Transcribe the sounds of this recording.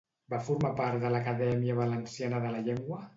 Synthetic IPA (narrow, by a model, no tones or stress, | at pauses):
bafuɾmapaɾt̪ðələkəðɛmiəβələnsianəðələʎeŋɡwə